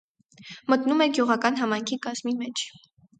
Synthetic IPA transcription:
mət̪numɛɡjuʁɑkɑnɦɑmɑjŋkʰikɑz̥mimɛt͡ʃʰ

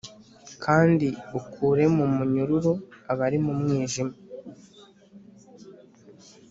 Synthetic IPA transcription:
kʰaːndiukʰuːɾe̞mumuɲuɾuɾuaβaɾimumŋiːʒima

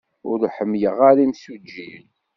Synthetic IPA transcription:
ʊɾħəmːjəʁaɾimsud͡ʒːil

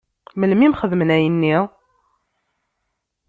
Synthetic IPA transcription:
məlmimχəðmənæjənːi

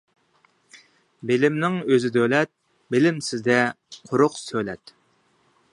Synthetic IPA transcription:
bɪlɪmnɪŋøzɪd̪ølɛt̪̚ | belɪmsɪzd̪ɛ | qʰʊɾʊqsølɛt̪

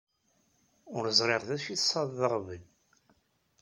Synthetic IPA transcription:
ʊɾəzˤɾˤeʁðæʃiθsˤɑðˤːəʁvəl

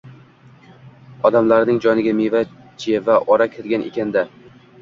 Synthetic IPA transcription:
ɒd̪amlaɾnɪŋd͡ʒɒnɪɡʲameva | t͡ʃʰijavaʔɒɾakʲʰelɡʲanʔḛkʲʰand̪a

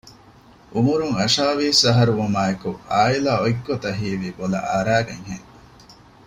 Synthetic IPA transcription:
ʔumuɾuŋɐʃaːʋiːsɐɦɐɾuʋumaːekuʔaːilaːoiɡːot̪ɐɦiːʋiːbolɐ̰ʔaɾæːɡɐŋɦḛŋ

